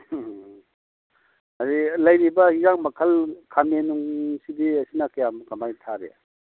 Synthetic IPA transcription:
aɾilɐjɾibɐizaŋmɐkʰɐlkʰamenuŋsidiɐsinɐkajamkamajtʰaɾḛ

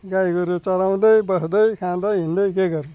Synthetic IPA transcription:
ɡajɡʌɾut͡sʌɾaw̃d̪ʌjbʌsd̪ʌjkʰãnd̪ʌjɦĩnd̪ʌjkeɡʌɾu

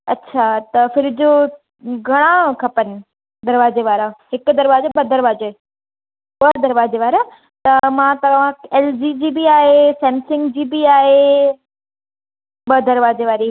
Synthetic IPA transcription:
ɐtːɕʰaːt̪ɐfɪɾd͡ʑo | ɡʱɐɽ̃ãkʰɐpənɪ̆ | d̪ɐɾʋaːzeʋaːɾaɦɪkd̪ɐɾʋaːd͡ʑeɓɐd̪ɐɾʋaːd͡ʑe | ɓəɾd̪ɐɾʋaːd͡ʑeʋaːɾa | t̪ɐmãt̪ɐʋ̤ãeːld͡ʑiːd͡ʑiːbiaːɦesɛ̃ːmsɪ̃ŋɡd͡ʑiːbiaːɦe | ɓɐd̪ɐɾʋaːd͡ʑeʋaːɾi

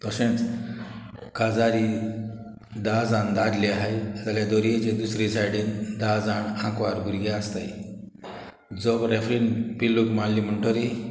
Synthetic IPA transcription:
t̪əɕẽɳ | kad͡zaɾi | d̪ad͡zand̪ad̪liaɦajd͡zaljad̪oɾied͡ʑed̪usɾid͡zʰajɽind̪ad͡zaɳãkʋaɾbʱuɾɡaəst̪aj | d͡zobɾefɾinpilːukmalːiːm̤əɳʈəɾi

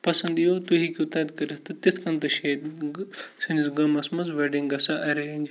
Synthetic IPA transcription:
pɐsɐnd̪ijot̪uɦikiut̪ɐd̪kɐɾɐt̪ɨt̪it̪ʰkɐ̃nt̪ɐʃeːd̪ | sinisɡɐmɐsmɐzʋeɖiŋɡɡɐsaʔɐɾeːnd͡ʒ

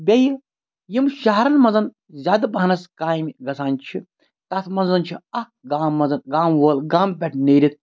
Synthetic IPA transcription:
bʲeji | jimʃɐɦɐɾɐnmɐnzɐn | zʲaːd̪ɐbɐɦɐnɐskaːjmiɡɐsʰaːnt͡ʃʰi | t̪ɐt̪ʰmɐnzɐnt͡ʃʰiɐ | ɡaːmːɐzɐnɡaːmʋoːlɡaːmpʲɛʈ̚ʰneːɾʲit̪̚

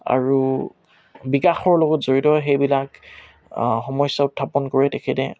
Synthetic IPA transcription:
a̰ɹu | bikaxɔɹlɔɡɔtz̥oɹitɔxejbilak | xɔmɔjsːaʊtʰːapɔnkoɹɛtɛkʰɛtɛ

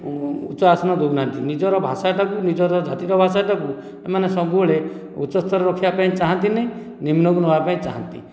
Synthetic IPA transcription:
ṵt͡ʃɔasɔnɔd̪ubnant̪inid͡ʒɔɾɔbʱasaʈakunid͡ʒɔɾɔd͡ʒat̪iɾɔbʱasaʈaku | emanesɔɡuɭe | ṵt͡ʃɔst̪ɔɾɔɾɔkʰːijapaĩt͡ʃaɦant̪ineĩ | nimnɔkunɔbapaĩt͡ʃaɦa̰nt̪ḭ

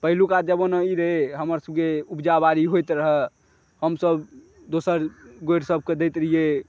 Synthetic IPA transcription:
pəɦilukad͡ʒəbonəiɾəɦeɦəməɾsəb̚keubd͡ʒabaɾiɦojt̪ɾəɦɛ | həmsəb | d̪osəɾɡoeɾsəb̚ʱked̪ejt̪ɾəɦije

